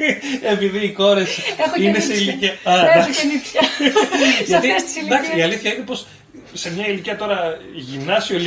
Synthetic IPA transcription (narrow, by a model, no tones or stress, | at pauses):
e̞piðiːko̞ɾe̞skɐineseiliciɐɐd̪ɐenipɐ | ʝɐt̪issid̪ɐksiiɐliθçɐinepo̞s | se̞mɲɐiliciɐt̪o̞ɾɐʝimnɐsio̞l